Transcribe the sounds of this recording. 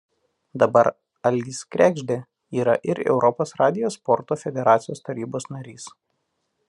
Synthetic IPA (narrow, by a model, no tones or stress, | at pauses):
d̪ɐbɐɾ | ɐlʲiːskɾʲæɡʒʲd̪ʲe | iːɾɐʔɪɾɛ̰ʊɾʔɔpoːsɾɑːd̪ʲɪjoːspɔɾt̪oːfʲɛd̪ʲɛɾɑːt̪sʲɪjoːst̪ɐɾʲiːboːsnɐɾʲiːs